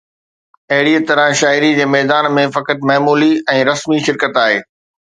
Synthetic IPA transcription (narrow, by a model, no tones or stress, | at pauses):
ɐɦɪɽiət̪ɐɾə̃ɦʃaːɪɾid͡ʑeːmɛːd̪aːnmẽfɐkət̪mɛɦːmuːliɛ̃ːɾɐsmiʃɪɾkət̪aːɦeː